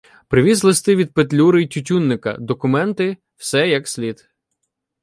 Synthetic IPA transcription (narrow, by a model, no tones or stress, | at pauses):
pɾɪʋʲizlˠɪst̪ɪʋʲid̪̚pet̪lʲuɾɪitʲʊtʲunːɪkɐ̰d̪ɔkʊmɛnt̪ɪ | wsɛjɐksʲlʲid̪